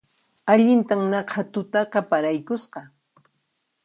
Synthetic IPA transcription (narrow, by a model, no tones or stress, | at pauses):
aʎɪnt̪amnɑqʰɑt̪ʊt̪ɑqɑpaɾajkʊsqɑ